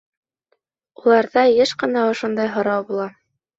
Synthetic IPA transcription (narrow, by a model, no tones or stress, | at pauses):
ulˠɑɾðɑjɘʃqɤ̆nɑŏʃond̪ɑjɦŏɾɑwbulˠɑ